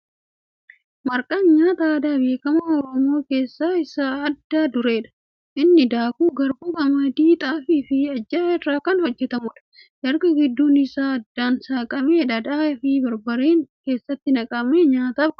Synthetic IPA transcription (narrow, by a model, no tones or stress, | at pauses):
mɐɾkʼaːnɲaːt̪aːd̪aːbe̞ːkɐmaɔɾɔmo̞ːke̞ːsːaːɪsaːɐd̪ːaːd̪ʊɾe̞ːᶑɐ̥ | ʔɪnːɪd̪aːkuːɡɐɾbʊkɐmɐd̪iːt̪ʼaːfɪfɪɐd͡ʒːɐːɛrːaːkɐnhɔd͡ʒːɛt̪ɐmʊᶑɐ̥ | ʔɛɾɡɐɡɪd̪ːuːnɪsaːɐd̪ːaːnsaːkʼɐmeːᶑɐd̪aːfɪbɐɾbɐɾeːŋke̞ːsːɐt̪ːɪnɐkʼɐmeːɲaːt̪ɐb